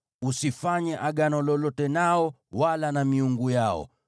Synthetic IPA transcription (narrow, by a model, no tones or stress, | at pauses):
usifaɲɛʔaɠanɔlɔlɔtɛnaɔ | walanamiuŋɡujaɔ̰